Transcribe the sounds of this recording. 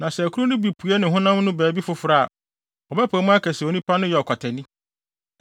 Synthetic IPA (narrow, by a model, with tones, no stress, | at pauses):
nã˨sɛ˨æ˨kʰu˦ɾʊ˦nʊ̃˦bi˨pʰu˨ɛ˦nɪ̃˨ɦʊ̃˦nã˦mnʊ̃˦bæː˨bi˦fʊ˨˦fʊ˨ɾa˦˨a˨ | ɔ˨bɛ˦pʰa˨˦mʊ̃˦a˦kʰɛ˨sɛ˨o˨nĩ˦pʰa˦nʊ̃˦jɛ˨ɔ˨kʰa˨tʰɛ˨nĩ˦